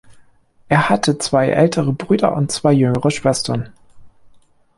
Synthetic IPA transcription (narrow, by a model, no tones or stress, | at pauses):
ʔeːɐhatʰət͡sv̥aɪʔɛ̰ltʰəʁəbʁyːdɐ̰ʔʊ̰ntt͡sv̥aɪjʏŋəʁəʃv̥ɛstʰɐn